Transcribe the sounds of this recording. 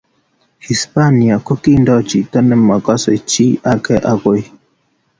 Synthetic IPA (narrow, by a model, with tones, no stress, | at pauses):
hi˨spa˦ni˨a˨ko˦ki˦ndɔ˦t͡ʃi˨tə˦nɛ˦ma˨kɔ˦se˨t͡ʃi˦a˦kɛ˦ʔa˦ko˦j